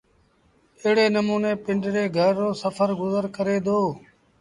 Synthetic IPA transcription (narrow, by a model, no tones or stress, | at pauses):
ɪɦɽeːnəmuːneːpɪɳɖɾeːɡʱəɾːoːsəfʰəɾɡʊzəɾkəɾeːd̪oː